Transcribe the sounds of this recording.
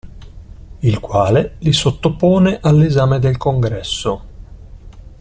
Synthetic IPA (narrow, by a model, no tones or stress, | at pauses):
ilkwaːlelisot̪ːopːoːneʔalːezaːmed̪elkoŋɡɾɛsːo